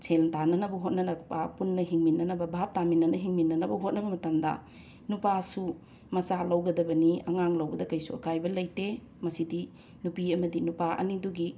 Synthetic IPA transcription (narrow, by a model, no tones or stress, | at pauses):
sʰeltanɐnɐbɐɦot̚nɐnɐkpapunːɐɦiŋminːɐnɐbɐbʱap̚taminɐnɐɦiŋminːɐnɐbɐɦot̚nɐbɐmɐtɐmdɐ̰ | nupasu | mɐsalɐwɡɐdɐbɐniɐŋaŋlɐwbɐdɐkɐjsuɐkʰajbɐlɐjte | mɐsidi | nupiɐmɐdinupaʔɐ̰niduɡi